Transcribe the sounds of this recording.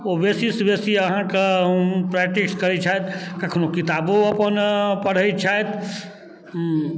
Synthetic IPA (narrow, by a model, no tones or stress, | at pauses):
oʋeːsisʋeːsiɐɦãkepɾɛkʈikskɐɾit͡ʃʰaet̪kɐkʰnokɪt̪aːboɐpənpəɽ̤əit͡ʃʰaet̪